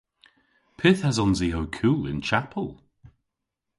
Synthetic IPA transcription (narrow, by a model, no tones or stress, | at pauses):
pʰɪθhazɔnziɦowkʰuːlɪ̰̃nt͡ʃʰapʰəlˠ